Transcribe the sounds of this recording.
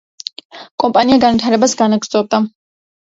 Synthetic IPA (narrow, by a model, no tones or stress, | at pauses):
kʼɔmpʼaniaɡanvit̪ʰaɾɛbasɡanaɡɾt̪zʼɔb̚d̪a